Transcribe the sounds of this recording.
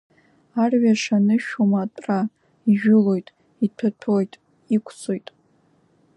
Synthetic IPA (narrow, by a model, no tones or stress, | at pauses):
arɥaʂanɨʃᶣomatʼra | iʒᶣʊlo̞jtʼ | itʰatʰojtʼ | ikʷʰt͡sʰo̞jtʼ